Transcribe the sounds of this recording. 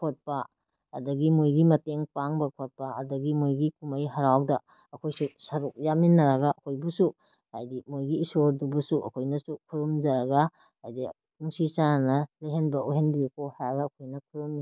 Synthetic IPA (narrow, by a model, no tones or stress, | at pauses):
kʰot̚pɐː | dɐɡimojɡimɐteŋpaŋbɐkʰot̚pɐɐdɐɡimojɡikumajɦɐɾawdɐ | ɐkʰojsusɐɾuk̚jaminːɐɾɐɡaʔɐkʰojbusu | hajdimojɡiːsoɾdubusuʔɐ̰kʰojnɐsukʰuɾumd͡ʒɐɾɐɡa | hajdi | nuŋsisananɐleɦenbɐʔoɦenbiekohajaɡɐːkʰojnɐkʰuɾumi